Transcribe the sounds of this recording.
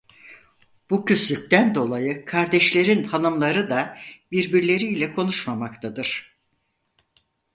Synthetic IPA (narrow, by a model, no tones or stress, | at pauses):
b̥ucʰyslʲyc̚ʲt̪ænd̪o̞lˠajɯkʰaɾd̪ɛʃlʲe̞ɾinhanɯmlˠaɾɯd̪abiɾbiɾlʲe̞ɾiːlʲɛkʰo̞nuʃmamakt̪ʰad̪ɯɾ̥